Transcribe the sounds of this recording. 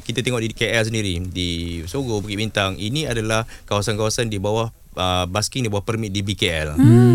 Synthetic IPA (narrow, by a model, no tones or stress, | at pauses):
kit̪at̪eŋɔʔdikeɛls̬əndiɾidisoɡobukiʔbint̪aŋḭnĩadalahkawasankawasandibawah | əbaskɪŋdibawahpərmit̪̚dibikeɛl